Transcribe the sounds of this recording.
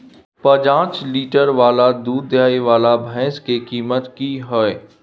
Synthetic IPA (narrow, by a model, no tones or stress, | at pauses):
pɐd͡ʒãːt͡ʃliːʈəɾʋaːlad̪uːd̪d̪jaːiʋaːlabʱɛ̃ːskekiːmət̪kiɦoe